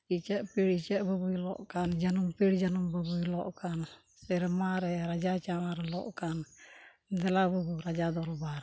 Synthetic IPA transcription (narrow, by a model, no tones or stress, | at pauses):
it͡ʃɛʔpiɽit͡ʃɛʔbɔbujlɔ̰ʔkand͡ʒanumpiɽd͡ʒanumbɔbujlɔʔkan | sɛɾɛmaɾɛɾad͡ʒat͡ʃamaɾɛlɔ̰ʔkan | d̪ɛlabɔbuɾad͡ʒad̪ɔɾbaɾ